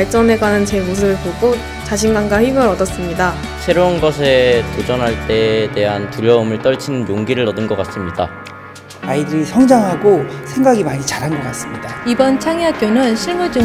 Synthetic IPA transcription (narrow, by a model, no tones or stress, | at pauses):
aɭt͡ɕ͈ʌne̞ɡanɯnt͡ɕe̞mosʰɯbɯɭpoɡo | t͡ɕaɕʰinɡanɡaɸimɯɾʌdʌs͈ɯmɲida | sʰe̞ɾounɡʌsʰe̞tod͡ʑʌnɦaɭt͈e̞te̞ɦantuʎjʌomɯɭt͈ʌɭt͡ɕʰinɯnjoŋɡiɾɯɭʌdɯnɡʌk͈as͈ɯmɲida̰ | aidɯɾisʰʌŋd͡ʑaŋɦaɡosʰe̞ŋɡaɡimaɲit͡ɕaɾɦanɡʌk͈as͈ɯmɲidaibʌnt͡ɕʰaŋiak͈jonɯnɕʰiɭmud͡ʑu